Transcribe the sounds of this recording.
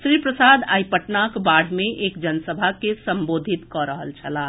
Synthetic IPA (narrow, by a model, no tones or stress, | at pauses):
sɾipɾəsad̪a̰jpəʈnakbaɽ̤mẽʔekd͡ʒənəsəbʱakesəmbod̪ʱit̪kɔɾəɦə̰lt͡ʃʰəla